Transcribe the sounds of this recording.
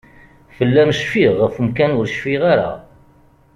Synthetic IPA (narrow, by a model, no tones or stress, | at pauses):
fəlːæmʃfiʁːəfmkænʊɾʃfiʁaɾa̰